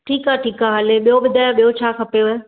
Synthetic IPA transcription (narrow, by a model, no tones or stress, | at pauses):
ʈʰiːkaʈʰiːkaːɦəleɓijobɪd̪ʱaːjaɓijot͡ɕʰaːkʰɐpejoe